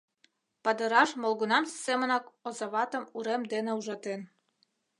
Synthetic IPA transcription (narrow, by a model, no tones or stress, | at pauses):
pɑd̪ə̆ɾɑʃmolˠɣunɑmssemə̆nɑkozɑβɑt̪ə̆muɾemd̪enĕuʒɑt̪en